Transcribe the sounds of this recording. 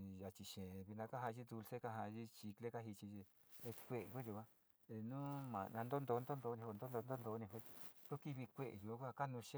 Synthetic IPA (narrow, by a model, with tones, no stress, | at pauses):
ja˨t͡ʃi˨ʃẽ˨βi˧nã˧ka˦ɦa˧ʒi˦d̪u˧lse˦ka˧ɦa˧ʒi˦t͡ʃi˧kle˦ka˦ɦi˧t͡ʃi˧ʒi˧ | kʷe˧˨e˨kʷe˦ʒu˧kʷã˦ | e˧nũ˦mã̰˨˧nã˧nd̪o˦nd̪o˧˦nd̪o˦nd̪o˧˦nĩ˧o˧nd̪o˦d̪o˧nd̪o˦nd̪o˧˦nĩ˧kʷe˦˧t̪o˦ki˦βi˧kʷe˦ʔḛ˨ʒu˨˦kʷa˦˧˨ka˦nũ˧ʃẽ˦